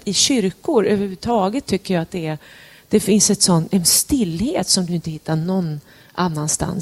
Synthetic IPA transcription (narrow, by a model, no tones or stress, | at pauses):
ɪɕʏɾkʊɾøːvəɾʉʉt̪ʰɑːɡət̪ʰːʏkːəɾjaat̪̚d̪ɛæɾ | d̪̥ɛfɪnsɛt̪sɔnːɛnst̪ɪlːheːt̪sɔmd̪ɵɪnt̪əhɪt̪ːaɳɔnː | ʔanːanst̪a̰n